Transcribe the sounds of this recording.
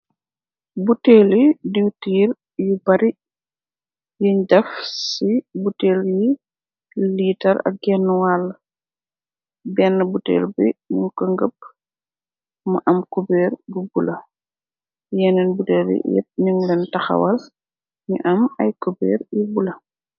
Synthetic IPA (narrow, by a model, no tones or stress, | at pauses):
buteːlidiwtiːr | jubɐɾi | jiɲdɐfsibuteːlji | liːtɐɾɐ̰k̚ɡɛnːwalː | bɛnːəbutɛ̰ːlbimuŋkəŋɡəp̚ | mɐʔɐmkubɛːrbubulɐ | jɛnɛnbutɛːljḭjɛ̰p̚niŋlɛntɐxɐ̰wɐl | ɲiʔɐmɐjkubɛ̰ːrjibulɐ